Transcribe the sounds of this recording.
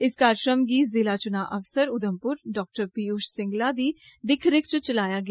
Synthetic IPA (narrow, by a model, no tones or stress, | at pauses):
ɪskaːɾʃɾəmɡiːzɪlaːt͡ʃʊnaːʔɐʋsəɾʊd̪əmpʊɾɖɔːk̚ʈəɾpiːuːʃsɪ̃ŋɡlad̪iːd̪ɪkʰɾɪkʰt͡ʃət͡ʃəlaːjaːɡɐ